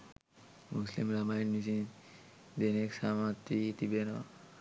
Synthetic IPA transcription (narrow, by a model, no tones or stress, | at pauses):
muslḭmɾamainmisin | d̪eneksamat̪ːit̪ibena̰